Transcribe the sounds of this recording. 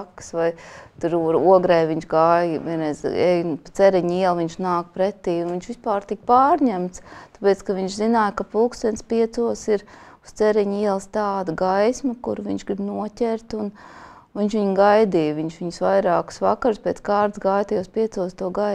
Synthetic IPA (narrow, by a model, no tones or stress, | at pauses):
ksʋajt̪uɾuɾuɔɡɾɛjʋiɲʃɡaːjʋiɛnɾɛzɛjnpt̪sɛɾiɲiɛlˠʋiɲʃnaːkpɾɛt̪iːunʋiɲʃʋispaːɾt̪ik̚paːɾɲæmt̪st̪apeːt̪skaʋiɲʃzinaːjkapulˠkst̪ɛnt̪spiɛt̪suɔsiɾust̪sɛɾiɲiɛlˠst̪aːd̪ɐɡajsmɐkuɾviɲʲʃɡɾibnuɔtʲɛɾt̪un | ʋiɲʃʋiɲɡajd̪iːʋiɲʃʋiɲsʋajɾaːkʊ̥sʋakaɾuspʲɛːt̪skaːɾd̪sɡaːjt̪ijɔspiɛt̪suɔst̪uɔɡa